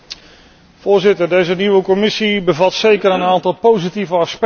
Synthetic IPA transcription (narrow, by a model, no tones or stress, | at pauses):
v̥ʊːɹzɪtəɹdejzəniʋəkɔmɪsibəvɑtsejkəɾənaːntɑlˠpowzitivəɑsp